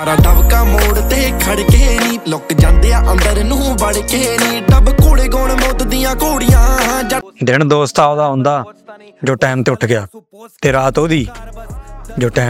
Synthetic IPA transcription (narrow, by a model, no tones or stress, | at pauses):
ɾaːɖəbkaːmoːɽt̪eːkʰəɽkeːnĩːlʊkd͡ʒãːnd̪eːaːʔənd̪əɾnũːbəɽkeːnĩːɖəbkoːɽeːɡoːɽmoːt̪d̪ɪjãːkoːɽɪjãːd͡ʒd̪ɪɳd̪oːst̪aːod̪aːɦõːnd̪aː | d͡ʒoːʈɛːmt̪eːʊʈʰɡɪaː | t̪eːɾaːt̪oːd̪iː | d͡ʒoːʈɛː